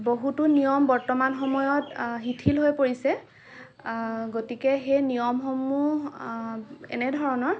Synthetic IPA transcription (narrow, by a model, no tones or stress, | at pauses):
boɦutunijɔmbɔɹtɔmanxɔmɔjɔtɦitʰilɦojpoɹisɛ | ɡotikɛxejnijɔmxɔmu | ɛ̰nɛdʱɔɹɔnɔɹ